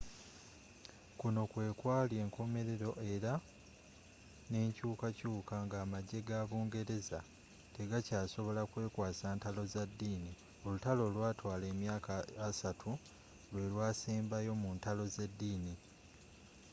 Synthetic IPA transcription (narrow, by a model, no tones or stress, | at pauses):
kuno̞kwe̞ːkwaːlje̞ːŋkʰo̞me̞ɾe̞ɾo̞ʔe̞ɾa | ne̞ːɲcuːkacuːkaŋɡaːmaɟːe̞ɡaːβuːŋɡe̞ɾe̞za | te̞ɡacaːso̞βo̞lakwe̞ːkwaːsaːntalo̞zadːiːni | o̞lutalo̞lwaːtʰwaːle̞ːmjaːkaːsatʰu | lwe̞lwaːsiːmbajo̞muntalo̞ze̞dːiːni